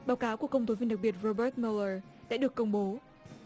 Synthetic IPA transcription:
ɓaː˨˦wkaː˨˦wku˩əkə˧wŋ͡mt̪o˨˦vi˧ənɗa˨˩k̚ɓi˨˩ət̚ɹo˧ɓəː˦˥t̚mi˧ləː˧ɗa̰˧˥ɗɨ˨˩əkːə˧wŋ͡mɓo˨˦

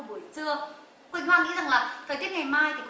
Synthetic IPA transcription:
ɓu˧˩əjt͡ɕɨ˧ə | kwi˧nhwaː˧ŋḭ˧˥za˨˩ŋlaː˨˩t̪ʰə˨˩t̪ət̚ŋa˨˩jmaː˧jt̪ʰi˨˩

